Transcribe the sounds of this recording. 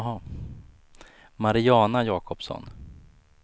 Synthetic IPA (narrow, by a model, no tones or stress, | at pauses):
ɦa | maɾɪɑːnajɑːkʰɔpsɔ̰n